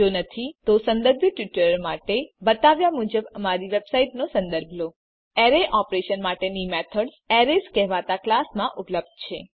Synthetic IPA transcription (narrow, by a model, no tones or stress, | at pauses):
onət̪ʰit̪osə̃nd̪əɾbʱjəʈʋiʈɾəɾmaʈebət̪aʋjamud͡ʒəbəmaɾiʋebsaiʈnosə̃nd̪əɾbʱlo | ɛɾeʔɔpɾeʃənmaʈenimɛt̪ʰəɽ | ɛɾeskɛɦʋat̪aklasmãʔʊpləb̚d̪̚t͡ʃʰe